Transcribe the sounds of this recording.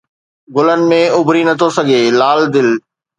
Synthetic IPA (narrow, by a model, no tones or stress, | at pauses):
ɡʊlənɪ̆mẽʊbʱɾinɐt̪ʰosɐɡʱeːlaːld̪ɪl